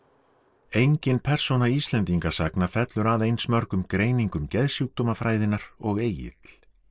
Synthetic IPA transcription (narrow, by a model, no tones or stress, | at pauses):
ejɲcɪnpʰɛr̥sonaist̪lɛnt̪iŋkasaknafɛt̪lʏɾaðejnsmœɾkʏmkɾeːjniŋkʏmcɛðsjuːk̚t̪oːmafɾaːjðɪnːaɾ̥ɔɣeːjɪ̰t̪l